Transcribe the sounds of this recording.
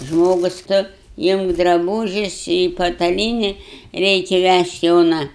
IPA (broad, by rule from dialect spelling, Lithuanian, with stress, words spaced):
ˈʒmoːɡʊs ˈtʊ ˈɪmk drɐˈbuːʒʲʊs ɪ pɐtɐˈlʲiːnʲɪ ˈrʲɛɪkʲɛ ˈʋʲæʃʲtʲ ˈjoːnɐ